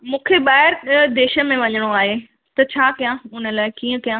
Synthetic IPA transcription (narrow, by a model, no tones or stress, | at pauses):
mũːkʰeɓaːɪɾd̪eːʃə̆mẽʋɐɲəɽ̃oaːɦe | t̪ɐt͡ɕʰaːkijãʊnə̆laːɪkiːə̃kijã